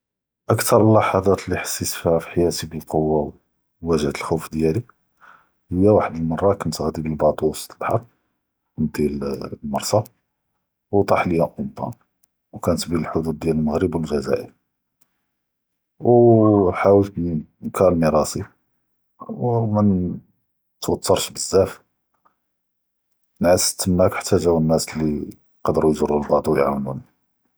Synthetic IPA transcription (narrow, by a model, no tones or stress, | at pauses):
ʔəkt̪ɑɾˤlːɑħɑd̪ˤɑt̪liħḁsːisfihæfiħjæt̪ibəlqowːaw | wæʒhət̪əlxuwfd̪jæli | həjːæwaħəd̪əlmɑrˤːɑkənt̪ɣd̪ibəlbɑt̪ˤust̪əbħɑɾˤ | d̪ælmɑɾˤsˤɑ | wt̪ˤɑħləjæʔʊmt̪ɑ̰ | wkænət̪biləlħʊd̪ud̪̚ːjæləlməɣɾəbwəlʒæzæ̰ʔə̰ɾ | wħawəlt̪nkʰɑɾˤlmiɾˤɑsi | wmən | t̪wɑt̪ʰːɑɾˤʃbəzːæf | nʕəst̪ːəmːækħḁt̪ːæʒæwənːæslːi | qɑd̪ɾujʒəɾˤːulbɑʕd̪ˤuwjʕa̰wnun